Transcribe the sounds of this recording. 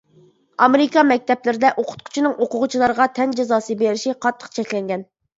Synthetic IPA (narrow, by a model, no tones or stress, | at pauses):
ɑmeɾikɑmɛk̚ʲt̪ɛplɪɾɪd̪ɛʔoqʰʊ̥t̪̚kʰʊ̥t͡ʃʰinɨŋʔoqʊʁʊt͡ʃʰilˠɑɾəʁɑt̪ʰɛnd͡ʒezɑːsɨbeɾɪʃiqʰɑt̪ʰːə̥qt͡ʃʰɛkʲlɛŋɡʲɛn